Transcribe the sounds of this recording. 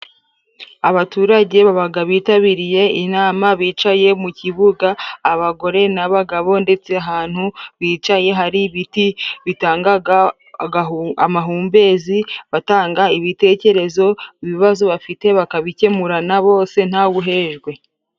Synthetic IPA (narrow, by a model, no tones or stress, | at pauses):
aβatuɾaɟe̞βaβaɡaβiːtaβiɾije̞inaːmaβiːt͡ʃaje̞muciβuɡaːβaɡo̞ɾe̞naβaɡaβo̞nde̞t͡se̞aɦaːn̥huβiːt͡ʃaje̞ɦaɾiβitiβitaːŋɡaa | ɡaamaɦuːmbe̞ziβataːŋɡaiβite̞ːce̞ɾe̞zo̞iβiβazoβafite̞βakaβice̞muɾanaβo̞ːse̞n̥haɡuɦe̞ʒɡwe̞